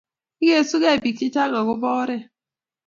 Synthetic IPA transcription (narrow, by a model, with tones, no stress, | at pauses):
i˦ɣe˦˨su˦ɣe˦˨bi˨ki˦ta˦ŋa˨ɣʊ˦bɔ˦ɾɪ˦